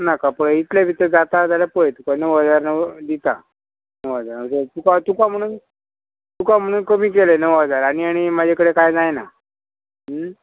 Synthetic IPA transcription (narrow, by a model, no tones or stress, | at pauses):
nakapəɭit̪ljaʋʱit̪əɾd͡zat̪ad͡zaljapɔɭet̪ukanəʋad͡zaɾnəd̪it̪a | nəʋad͡zaɾnəsət̪ukat̪ukam̤əɽ̃uːn | t̪ukam̤əɽ̃uːnkəmiːk̬elenəʋad͡zaɾaɽ̃iaɽ̃imad͡ʑʱekəɽekajd͡zajna | ɦə